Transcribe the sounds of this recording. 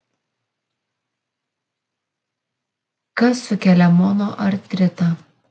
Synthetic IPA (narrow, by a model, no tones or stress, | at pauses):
kɐsːʊkʲɛlʲɛmoːnoːʔɐɾt̪ʲɾʲɪt̪ɑ